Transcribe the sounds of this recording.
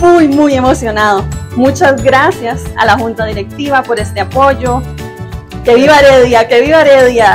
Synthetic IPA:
mujmuje̞mo̞sjo̞naðomut͡ʃazɡɾasjasa̰laxunt̪aðiɾe̞k̚t̪iβapo̞ɾe̞st̪eapo̞ʝo | ke̞βiβaɾeðjake̞βiβaɾeðja

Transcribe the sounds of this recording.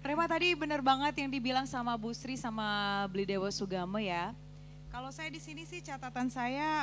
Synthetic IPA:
ɾemat̪adibənərbaŋət̪jaŋdibilaŋsamabusɾisamablidewasuɡaməja | kalosajadisinisɪht͡ʃat̪at̪ansaja

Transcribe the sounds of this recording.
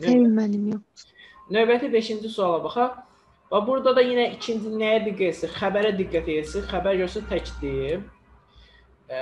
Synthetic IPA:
nemænimjo | nøjbæt̪ʰibe̞ʃind͡ʒisuɑlˠɑbɑχɑ | vɑbuɾd̪ɑd̪ɑjinæicʰind͡ʒinæjæd̪iɡːæjesixæbæɾæd̪iɡːæt̪ʰijesixæbæɾɟøɾs̬æt̪ʰæcd̪i

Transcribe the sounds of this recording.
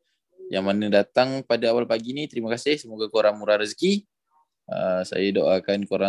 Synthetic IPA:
jaŋmanədat̪aŋpadaawalpaɡinit̪əɾiməkasɪhsəmoɡakoɾaŋmuɾaɾəski | əsa̰jadoʔakankoɾa

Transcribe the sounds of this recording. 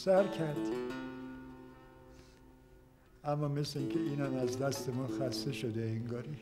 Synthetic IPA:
sæɾkʰæɾd̪̥ | æmːɒːme̞sleiŋcʰeiːnæmæzd̪æst̪emɔːxæst̪e̞ʃod̪eiŋɡɒːɾi

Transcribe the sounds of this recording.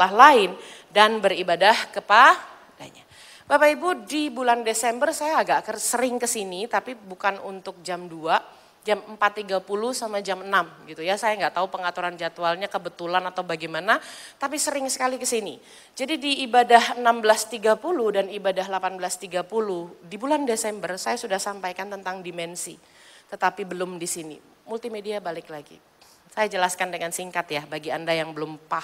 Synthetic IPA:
laɦlaɪn | danbəribadahkəpa | taɲa | b̥apaibudibulandesɛmbərsajaːɡaʔakərsəɾɪŋkəsinit̪apibukanṵnt̪ʊk̚d͡ʒamdua | d͡ʒaməmpat̪ːiɡapuluhsamad͡ʒamənamɡit̪ujasajaŋɡaʔt̪aupəŋat̪uɾand͡ʒat̪ualɲakəbət̪ulanat̪awbaɡɛjmanat̪ap̬isəɾɪŋsə̥kalikəsini | d͡ʒadidiːbadahənambəlast̪iɡapulʊhdanibadahlapanbəlast̪iɡapulʊhdibulandesɛmbərsajasudahsampajkant̪ənt̪aŋdimɛnsi | t̪ət̪apibəlʊmdisinḭ | mult̪imediabalɪklaɡḭ | sajad͡ʒəlaskandəŋansiŋkat̪jabaɡiandajaŋbəlʊmpah

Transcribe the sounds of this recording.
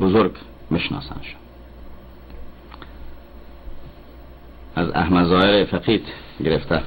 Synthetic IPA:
bozoɾɡ | miʃnɒ̰ːsæ̰nʃm | æzæ̰hmæzɒːeɾefæqiːt̪ | ɡeɾeft̪ʰæ

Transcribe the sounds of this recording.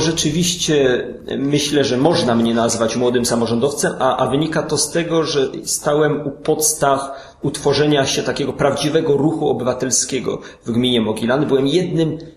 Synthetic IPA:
ʐɛt͡ʂɘvʲiɕt͡ɕɛ | mɘɕlɛʐɛmɔʐnamɲɛnazvat͡ɕmwɔd̪ɘmsamɔʐɔnd̪ɔft̪sɛmaʔavɘɲikat̪ɔst̪ɛɡɔʐɛst̪awɛmupɔt̪st̪ax | ut̪fɔʐɛɲaɕɛt̪akʲɛɡɔpɾavd͡ʑivɛɡɔɾuxuɔbɘvat̪ɛlskʲɛɡɔ̰ | vɡmʲiɲɛmɔɡʲilanɘbɘwɛmjɛd̪nɘm

